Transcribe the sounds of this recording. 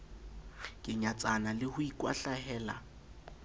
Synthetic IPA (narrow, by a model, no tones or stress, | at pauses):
kʼɪɲat͡sʼanalɪhʊikʼwaɬahɛːla̰